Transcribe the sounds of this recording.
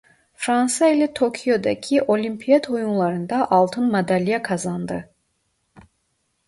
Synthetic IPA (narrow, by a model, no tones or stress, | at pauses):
fɾɑnsaelat̪ʰokʰijod̪ɑcʲʰiʔolʲimpʰijad̪ojunlˠɑɾɯnd̪ɑʔɑlˠt̪ʰɯnmad̪ælijakʰɑzɑnd̪ɯ